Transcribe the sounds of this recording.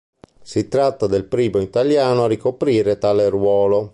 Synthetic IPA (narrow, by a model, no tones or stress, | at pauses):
sit̪ɾat̪ːad̪elpɾiːboit̪aljaːnoarikopɾiːɾet̪aːlerwɔːlo